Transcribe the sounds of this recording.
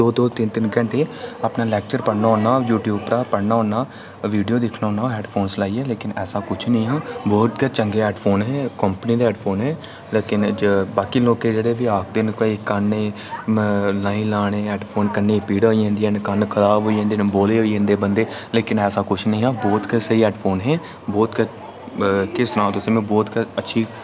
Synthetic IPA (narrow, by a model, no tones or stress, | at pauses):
d̪oːd̪oːt̪ɪnt̪ɪnɡə̃ɳʈeːapnãːlɛːk̚t͡ʃəɾpəɽnaːɦõːnaːjuːʈjuːbpɾaːpəɽnaːõːnaː | ʋiːɖijoːd̪ɪkʰnaːõːnaːɛːɖpʰoːnslaːiːɛːleːkɪnɛːsãːkʊt͡ʃʰnĩːɦãːbɔːt̪kat͡ʃəŋɡeːɛːɖpʰoːnɦɛːkəmpniːd̪aːɛːɖpʰoːnɦɛː | leːkɪnd͡ʒbaːkiːloːkeːd͡ʒeːɽeːʋiaːk̚ʰd̪ɪnkoikənːẽː | laːĩːlaːɽ̃eːɛːɖpʰoːnkənːeːpiːɽaoiːãːnd̪iːɛnkənkʰəɾaːbɦoːiãːnd̪inboːleːɦoːiːãːnd̪eːbənd̪eːleːkɪnɛːsãːkʊt͡ʃʰnəĩːɦãːbɔːt̪kəsəiɛːɖpʰoːnɦɛː | bɔːt̪kə | kɪst̪ɾãːt̪ʊsẽːmɛ̃ːbɔːt̪kəətːʃʰiː